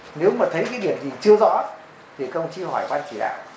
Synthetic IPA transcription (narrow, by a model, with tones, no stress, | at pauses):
ne˨˦wmaː˨˩t̪ʰə˨˦jkaː˨˦jɗi˧˩əmzi˨˩t͡ɕɨ˧əzɔ̰˧˥ | t̪ʰi˨˩xə˧wŋ͡mt͡ɕi˧˦hɔ˧˩jɓaː˧nt͡ɕi˧˩ɗa̰ː˧˨w